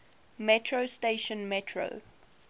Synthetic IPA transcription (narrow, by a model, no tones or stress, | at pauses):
mɛtʰɹosteɪʃə̃nmɛtʰɹo̰ʊ